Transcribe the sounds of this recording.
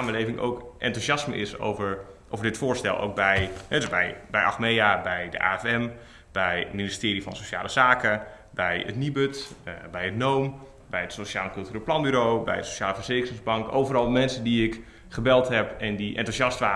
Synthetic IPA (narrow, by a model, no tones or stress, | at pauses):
aːməlejvɪŋʔo̰wkʔɛ̰ntusɑsməʔɪ̰so̰wvəɹ | ʔowvəɹdɪtfʊːɹstɛ̰lˠʔo̰wk̚bɛjhɛdøsbɛjbɛjʔɑ̰xmejabɛjdə̰ʔa̰ːɛfɛm | b̥ɛjministɪːɾifɑnsoʃa̰ːləzaːkə | bɛjə̰tnibøtbɛjətnowm | bɛjdəsoʃaːləkɵlˠtyriplɑnbyɾowbɛ̰jdəsoʃjaːləfərzeːkərɪŋzbɑŋkowvərɑlˠmɛnsəndiɪk | χəbɛlˠtɦɛpɛndiʔɛ̰ntusjɑstʋaː